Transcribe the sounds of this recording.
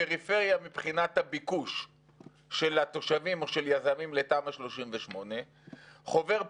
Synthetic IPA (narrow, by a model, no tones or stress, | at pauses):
eʁife̞ʁjamipχinat̪habikuʃː | elat̪o̞ʃavimo̞ʃe̞ljazamimle̞taːmaʃlo̞ʃimveʃmo̞ne̞ | χo̞ve̞ʁ